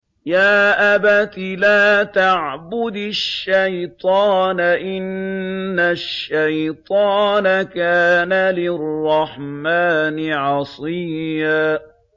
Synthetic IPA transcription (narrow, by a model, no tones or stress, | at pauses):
jaːʔabat̪ɪlaːt̪aʕbʊd̪ʃːajt̪ˤɑːnaʔɪnː | aʃːajt̪ˤɑːnakaːnalɪrˤːɑħmaːnɪʕɑsˤɨːaː